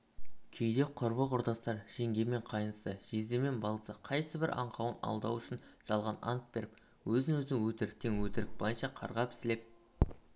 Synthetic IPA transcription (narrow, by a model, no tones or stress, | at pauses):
kʲʰejd̪e̞qʰʊɾbəqʊɾd̪ɑst̪ɑɾʒ̥e̞ŋɡʲe̞me̞ɴqʰɑjnəsəʒ̥e̞zd̪e̞me̞nbɑlˠəsəqʰɑjsəbɪɾʔɑ̰ɴqʰɑwənɑ̰lˠd̪ɑ̰wʏʃɪnʒ̥ɑlˠʁɑnɑ̰nt̪̚be̞ɾɪp | wɵzɪŋwɵzɪŋwɵt̪ɪɾɪk̚t̪e̞ŋwɵt̪ɪɾɪk̚bojənʃɑqʰɑ̰ɾʁɑpʰɪ̥sɪle̞p̚